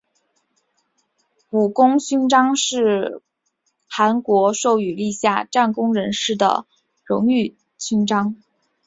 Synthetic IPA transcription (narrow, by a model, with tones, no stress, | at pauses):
pu˨˩kʊ˥ŋɕy˥nʈ͡ʂɑ˥ŋʂɻ̩˥˩ | xa˧˥nkwɔ˧˥ʂo˥˩ʊy˨˩li˥˧ɕja˥˧ʈ͡ʂa˥˩nkʊ˥ŋɻə˧˥nʂɻ̩˥˩d̪ə̰˩ | ɻʊ̰˧˥ŋy˥˩ | t͡ɕʰy˥nʈ͡ʂɑ˥ŋ